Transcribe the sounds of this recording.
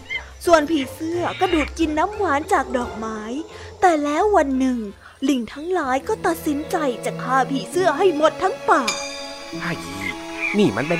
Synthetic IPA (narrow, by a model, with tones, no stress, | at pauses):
su˨˩ənpʰiː˨˩sɯ˥˩ɐəka˧˩duː˨˩t̪̚ki˧nːa˦˥mwaː˨˦nt͡ɕaː˨˩k̚dɔː˨˩k̚maː˦˥j | t̪ɛː˨˩lɛː˦˥wːa˧nːɯ˨˩ŋ | li˨˩ŋt̪ʰa˦˥ŋlaː˨˩˦jkɔː˥˩t̪a˨˩t̪̚si˨˩˦nt͡ɕa˧jt͡ɕaː˨˩kʰːaː˧pʰiː˨˩sɯ˥˩ɐɦa˥˩jmo˨˩t̪ʰːa˦˥ŋpaː˨˩ | a˧˩ji˧˩ | niː˧˩ma˧˥˨npe˧